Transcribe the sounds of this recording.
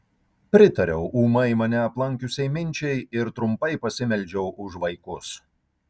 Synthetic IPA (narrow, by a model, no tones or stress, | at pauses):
pʲɾʲɪt̪ɐɾʲɛʊʔuːmɐɪmɐnʲɛɐplˠɐŋʲkʲʊsʲɛɪmʲɪnʲˑt͡ʃʲɛɪɪɾt̪ɾʊmpɐɪpɐsʲɪmʲɛlʲd͡ʒʲɛʊʔʊʒʋɐɪkʊs